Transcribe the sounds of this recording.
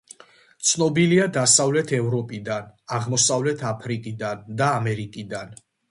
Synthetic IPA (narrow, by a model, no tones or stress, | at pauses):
t̪sʰnɔbiliad̪asavlɛt̪ʰɛvɾɔpʼid̪anaʁmɔsavlɛt̪ʰapʰɾikʼid̪and̪aːmɛɾikʼid̪an